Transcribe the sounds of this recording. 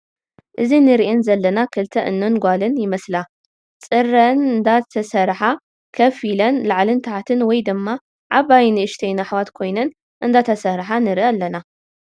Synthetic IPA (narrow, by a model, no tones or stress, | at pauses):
ʔɨzinɨɾʔɛnzɐlːɐnakʰɨlt̪ʰɐʔɨ̰nːɐnɡʷalɨnjɪmɐsla | t͡sʼɨrːɐnɨnd̪at̪ʰɐsɐɾħa | kʰɐfilɐnlaʕlɨnt̪ʰaħat̪ʰɨnwɔjd̪ɨmːa | ʕaβajnɨɨʃt̪ʰejnaħwat̪kʰo̞jnɐn | ʔɨnd̪at̪ʰɐsɐɾħanɨɾʔaalːɐna